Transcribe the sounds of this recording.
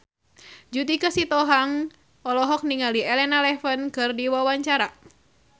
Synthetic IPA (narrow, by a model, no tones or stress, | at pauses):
d͡ʒut̪ikəsit̪ɔɦaŋ | ʔɔlɔɦɔk̚niŋaliɛlɛnalɛfənkɨrdiwawaɲt͡ʃaɾa